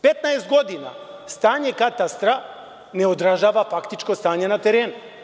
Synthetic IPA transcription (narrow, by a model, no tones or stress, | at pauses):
pɛt̪naɛzd̪ɡɔd̪ina̰ | st̪aɲɛkat̪ast̪ɾa | nɛɔd̪ɾaʒavafakt̪it͡ʃkɔst̪aɲɛnat̪ɛɾɛn